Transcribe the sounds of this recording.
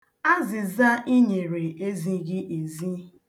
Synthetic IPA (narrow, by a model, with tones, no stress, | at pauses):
a˦zɪ˨za˦i˦ɲe˨ɾe˨e˦zi˦ɡɪ˦ʔe˨zi˦